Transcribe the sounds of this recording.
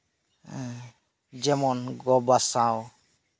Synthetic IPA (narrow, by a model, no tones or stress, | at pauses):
d͡ʒemɔnɡɔbasão